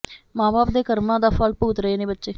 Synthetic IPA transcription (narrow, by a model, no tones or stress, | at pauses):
mãːbaːp̚d̪eːkəɾmãːd̪aːfʰəlpuːt̪ɾəeːneːbətːʃeː